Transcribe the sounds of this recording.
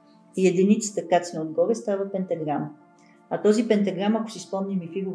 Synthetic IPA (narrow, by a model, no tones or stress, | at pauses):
jɛd̪init̪si̥t̪əkat̪snəod̪̚ɡɔɾɛst̪avəpɛnt̪ɛɡɾam | ɐt̪ɔzipɛnt̪aɡɾamako̥sispɔmnʲimifiɡʊv